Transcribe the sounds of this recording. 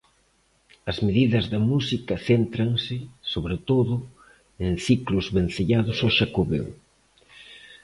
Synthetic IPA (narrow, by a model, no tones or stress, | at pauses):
ɐzmeðiðɐzðɐmusikɐθent̪ɾɐŋsɪsoβɾet̪oðʊ | enθiklʊzβenθeʎaðʊsoʃakoβḛw